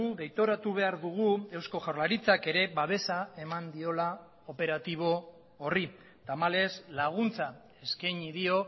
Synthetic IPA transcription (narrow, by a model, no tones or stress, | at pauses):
uðejt̪o̞ɾat̪uβ̞e̞aɾðuɣ̞ue̞wsko̞ʝawɾlaɾit͡sake̞ɾe̞βaβ̞e̞sae̞mand̪io̞la | ope̞ɾat̪iβ̞o̞ː | ri | t̪amale̞slaɣ̞unt͡sa | e̞skajɲiðio̞